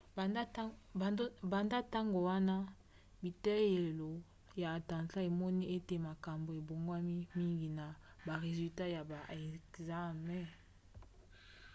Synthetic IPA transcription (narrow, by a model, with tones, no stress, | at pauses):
ba˨nda˦ta˦ŋɡo˨wa˦na˦ | bi˨tɛ˦je˨lo˨ | jaː˨tã˨nta˦e˨mɔ˦ni˦e˦te˨ma˨ka˨mbo˨e˨bo˨ŋɡwa˦mi˦mi˦ŋɡi˨na˨ | ba˨ʁe˨zy˨ta˦ja˨ba˨e˨kza˦mɛ̃˦˨